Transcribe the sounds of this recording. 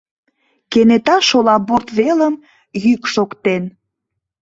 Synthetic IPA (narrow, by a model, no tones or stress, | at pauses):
kenet̪ɑʃolɑbort̪βeləm | jykʃokt̪en